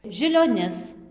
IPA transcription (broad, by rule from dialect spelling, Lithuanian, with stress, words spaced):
ʒʲɪlʲoːˈnʲɪs